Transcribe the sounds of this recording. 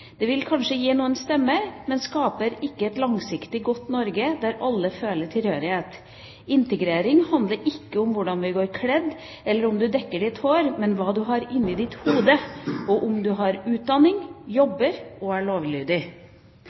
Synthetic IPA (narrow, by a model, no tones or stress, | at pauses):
d̪ɛʋɪlkʰɑnʂəjiːnuːənst̪ɛmːəmɛnskɑːpəɾɪkːəɛt̪lɑŋsɪkt̪ɪɡɔt̪ːnɔɾɡəd̪æɾɑlːəføːləʈʰɪlhøːɾɪheːt̪ | ɪnt̪əɡɾeːɾɪŋhɑnd̪ləɾʔɪkːəʊmʋʊɖɑnʋɪɡoːɾkʰlɛd̪ː | ɛlːəɾʊmd̪ʉd̪ɛkːəɖɪt̪hoːɾmɛnʋɑːd̪ʉɦɑɾɪnːɪd̪ɪt̪huːd̪əɔʔʊmd̪ʉɦɑɾʉːt̪̚d̪ɑnːɪŋjɔbəɾɔæɭoːʋlyːd̪ɪ